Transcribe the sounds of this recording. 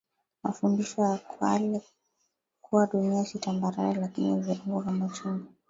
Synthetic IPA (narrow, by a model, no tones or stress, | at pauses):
mafundiʃɔjakwa̰lɛ | kʰuwaɗuniasitambaɾaɾɛlakiniviuŋɡɔvamat͡ʃinɔ